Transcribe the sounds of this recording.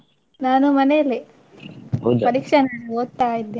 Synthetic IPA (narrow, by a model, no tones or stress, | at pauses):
naːnumɐnejɐlːi | ɐd̪pɐɾiːkʂɐnaːnuɡoːd̪̚t̪aːjid̪ːeː